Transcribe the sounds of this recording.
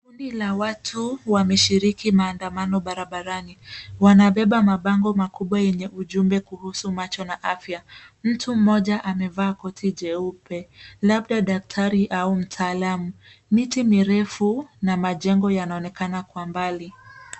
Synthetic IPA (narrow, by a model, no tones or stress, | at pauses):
kundilawatʰuwamɛʃiɾikimaːndamanɔɓaɾaɓaɾaniwanaɓɛɓamaɓaŋɡɔmakuɓwajɛɲɛʔuʄumbɛkuhusumat͡ʃɔnaʔafjam̩tʰum̩mɔʄaʔamɛvaːkɔtʰiʄɛupɛlaɓɗaɗak̚tʰaɾiʔaum̩tʰaːlamu | mitimiɾɛfunamaʄɛŋɡɔjanaɔnɛkanakwambali